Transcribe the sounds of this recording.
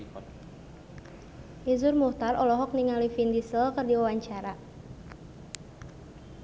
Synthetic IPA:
ʔizʊrmuht̪arɔlɔɦɔk̚niŋalifind̪isəlkərdiwawaɲt͡ʃaɾa

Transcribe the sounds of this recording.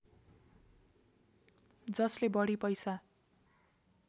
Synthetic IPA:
d͡zʌslebʌɽipʌjsa

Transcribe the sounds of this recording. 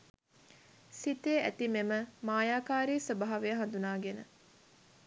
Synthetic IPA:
sit̪eːæt̪imeməmaːjaːkaːɾiːsəbaɦaʋeəɦand̪unaːɡenə

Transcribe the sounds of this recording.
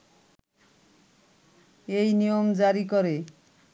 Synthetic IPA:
ejnijomd͡ʑaɾikoɾe

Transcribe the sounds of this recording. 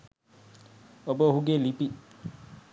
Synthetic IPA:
obohuɡelipi

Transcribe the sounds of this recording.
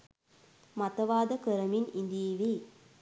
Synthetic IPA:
mat̪əʋaːd̪əkəɾəminind̪iiʋi

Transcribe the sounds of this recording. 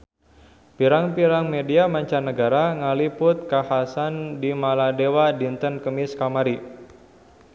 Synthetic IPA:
piɾaŋpiɾaŋmediamaɲt͡ʃanəɡaɾaŋalipʊt̪̚kahasandimaladewadint̪ənkəmɪskamaɾi

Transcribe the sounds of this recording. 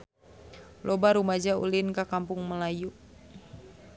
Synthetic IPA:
lʔɔbaɾumad͡ʒaṵlinkakampʊŋməlaju

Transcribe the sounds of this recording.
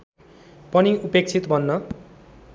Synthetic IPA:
pʌniupek̚t͡sʰit̪bʱʌnːʌ

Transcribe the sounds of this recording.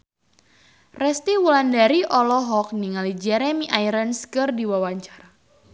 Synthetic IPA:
rɛst̪iwulandaɾiʔɔlɔɦɔk̚niŋalid͡ʒɛɾɛmiʔaiɾənskɨrdiwawaɲt͡ʃaɾa

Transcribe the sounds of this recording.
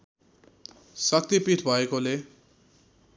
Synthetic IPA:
sʌk̚t̪ipit̪ʰbʱʌekole

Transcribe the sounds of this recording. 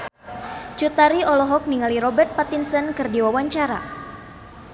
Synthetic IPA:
t͡ʃut̪aɾiʔɔlɔɦɔk̚niŋaliɾɔbɛrt̪̚pat̪insənkɨrdiwawaɲt͡ʃaɾa̰

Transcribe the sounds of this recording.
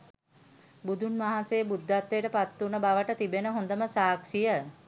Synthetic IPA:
bud̪unmaɦasejəbud̪ːat̪ːejəʈəpat̪ːunəbaʋəʈət̪ibenəɦond̪əməsaːkʂijə

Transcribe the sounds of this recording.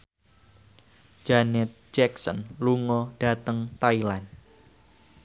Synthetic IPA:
d͡ʒanɛt̪̚d͡ʒɛksə̰nluŋɔɖ̥a̤t̪əŋt̪ailan

